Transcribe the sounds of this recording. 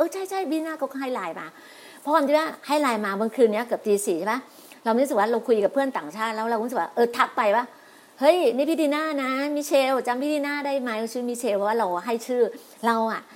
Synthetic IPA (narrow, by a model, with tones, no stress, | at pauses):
ʔɤː˧˩t͡ɕʰa˥˩jt͡ɕʰa˥˩jpʰi˦˥iː˧naː˥˩kɔː˥˩kʰɔ˧˥˩ha˥˩jlaː˧jmaː˧ | pʰɔ˦˥kʰwaː˧t̪i˧˩waː˥˩ha˥˩jlaː˧jmaː˧bɔ˧ŋkʰɯː˧ni˦˥ɐ˨kɤ˨˩p̚t̪iː˧siː˨˩˦ba˦˥ | ɾa˧wsɯ˨˩waː˥˩ɾa˧wkʰu˧jka˨˩pʰɯ˥˩ənt̪aː˨˩ŋt͡ɕʰaː˥˩t̪̚lɛː˦˥wɾa˧wu˦˥sk̚wa̰˥˩ʔɤː˧˩t̪ʰa˦˥k̚pa˧jwaː˥˩ | hɤ˦˥˩jni˦˥˩pʰi˦˧˥t̪iː˧naː˥˩na˦˥miː˧˥t͡ɕʰeː˧wt͡ɕa˧mpʰiː˦˥˩iː˧naː˥˩daː˥˩jma˧˦˥ja˧˩t͡ɕʰɯ˧˥˦miː˧˥t͡ɕʰeː˧wpʰɔ˧˩waː˥ɾa˧wɦa˥˩jt͡ɕʰɯː˥˩ | ɾa˧wʔa˨˩ʔ